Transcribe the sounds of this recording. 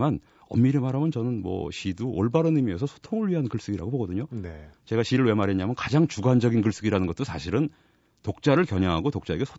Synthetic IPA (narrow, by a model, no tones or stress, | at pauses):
man | ʌ̰mːiɾemaɾɦamjʌnt͡ɕʌnɯnmwʌ̰ɕiduʔoɭbaɾɯnimies̬ʰʌsʰo̥tʰoŋɯɭɥiɦankɯɭs͈ɯɡiɾaɡoboɡʌdɯɲont͡ɕe̞ɡaɕiɾɯɭwe̞maɾɦeɲamjʌnkad͡ʑaŋt͡ɕuɡand͡ʑʌɡink̬ɯɭs͈ɯɡiɾanɯnɡʌt͈osʰaɕʰiɾɯn | tok̚t͡ɕ͈aɾɯɭkjʌɲaŋɦaɡotok̚t͡ɕ͈ae̞ɡe̞sʰo